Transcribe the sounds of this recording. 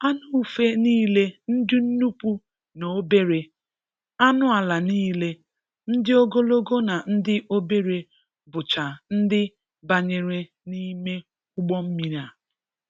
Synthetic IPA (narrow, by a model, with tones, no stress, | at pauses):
a˦nʊ˦u˨fe˦niː˦le˦n̩˦dɪ˦n̩˦nu˦pu˦ | no˨o˦be˦ɾe˨ | a˦nʊ˦a˨la˨niː˦le˦ | n̩˦dɪ˦o˦ɡo˦lo˦ɡo˦na˨n̩˦dɪ˦ʔo˦be˦ɾe˨ | bʊ˨t͡ʃa˨n̩˦dɪ˦ | ba˨ɲe˨ɾe˨ | ni˦me˦ | ʊ˦ɡ͡bɔ˦m̩˦mi˨ɾa˨